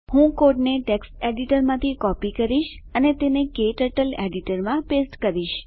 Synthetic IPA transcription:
hũkoʈneʈeksʈeɖiʈəɾmãt̪ʰikɔpikəɾiʃənet̪enekeʈəʈəlḛɖiʈəɾmãpesʈkəɾiʃ

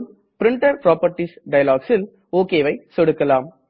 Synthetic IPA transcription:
pɪɾɪɳʈɐɾpɾaːpɐɾʈisɖɐjɐlaːɡsɪl | oːkeːʋɐɪsɔɽɯkːɐlaːm

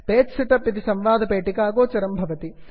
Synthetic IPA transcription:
peːt͡ʃseʈɐpːit̪isɐmʋaːd̪ʱɐpeːʈikaːɡoːt͡ʃɐɾɐmbʱɐʋɐt̪i

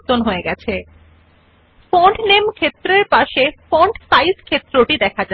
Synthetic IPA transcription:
t̪onɦoeɡɛt͡ɕʰe | foɳʈnemkʰet̪ːɾeɾpaʃefoɳʈsajskʰet̪ːɾoʈid̪ɛkʰad͡ʑa

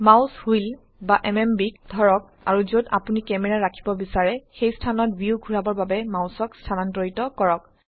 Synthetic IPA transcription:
mawshujl | baʔɛmɛmbikdʱɔɹɔk̚ | aɹuzoda̰punikɛmɛɹaɹakʰi̥bɔbisaɹɛxejstʰanɔt̚biuɡʱuɹabɔɹbabɛmawsɔkstʰanɔntɹɔitɔkɔɹɔk

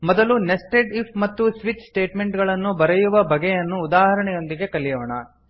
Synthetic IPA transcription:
mɔd̪ɐlunesʈeɖipʰmɐt̪ːusʋit͡ʃsʈeːʈmeɳʈɡɐɭɐnːubɐɾejuʋɐbʱɐɡɛjɐnːuːd̪aːɦɐɾɐɳɛjo̞nd̪iɡe̞kɐlijɐʋɐɳɐ

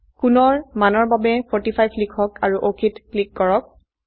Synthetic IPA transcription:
kunɔɹmanɔɹbabɛpʰɔɹtipʰajblikʰɔkaɹuʔokʰitklikːɔɹɔk̚

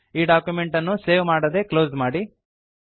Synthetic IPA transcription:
iːɖaːkjume̞ɳʈɐnːuseːʋmaːɽɐd̪e̞ːkloːd͡ʒmaːɽi

